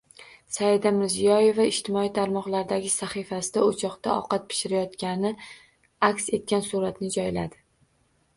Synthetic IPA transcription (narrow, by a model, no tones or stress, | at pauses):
saɪd̪amɪɾzijɒje̞vaɪʃt̪ʰɪmɒijt̪ʰaɾmɒqlˠaɾd̪aɡʲɪsaχifasɪd̪aot͡ʃʰɒqt̪aɒ̰qɑt̪̚pʰɪ̥ʃɪɾajɒt̪kʲanɪ | akʲse̞t̪̚kʲansuɾat̪nɪd͡ʒɒjla̰d̪ɪ